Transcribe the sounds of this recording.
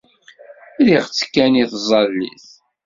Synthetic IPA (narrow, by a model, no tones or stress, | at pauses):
liʁt͡sːə̥kːæniθzˤɑlːḭθ